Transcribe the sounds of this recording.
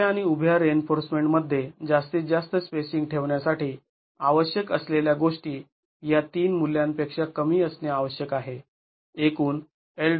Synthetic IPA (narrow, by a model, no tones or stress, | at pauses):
aɽ̃iubʱjaɾenfoɾsmeɳʈməd̪ʱːjed͡zast̪id͡zast̪əspesiŋɡʈʰeʋɳjasaʈiː | aʋəɕjəkəsleljaɡoʂʈiː | jat̪iːnmuljãmpekʂakəmiːəsneaʋəɕjəkaɦe | ekuːn | el